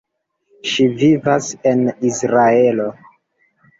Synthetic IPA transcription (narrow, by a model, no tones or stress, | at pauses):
ʃivivase̞nisɾae̞lo